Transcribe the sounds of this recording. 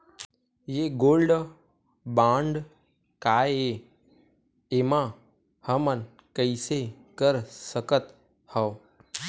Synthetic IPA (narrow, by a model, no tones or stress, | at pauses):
jeɡoːlɖ | bãːɳɖ | kaːje | emã | həmən | kəɪsekəɾsəkət̪ | həː